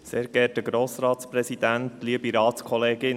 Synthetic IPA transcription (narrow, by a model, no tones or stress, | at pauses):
seːɾɡ̥ɛt̚əɡɾoːsɾɑːt̪spɾɛsid̥̪æntliəbiɾɑːtskʰɔleːɡɪn